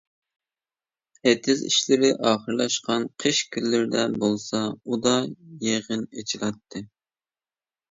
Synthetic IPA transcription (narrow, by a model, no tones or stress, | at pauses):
et̪ʰɪzḭʃlɪɾɪʔɑːχəɾlˠɑʃqɑnqʰəʃkʲʰylːɪɾɪd̪ɛbolˠsɑud̪ɑjeʁənet͡ʃʰilˠɑt̪ʰːɨ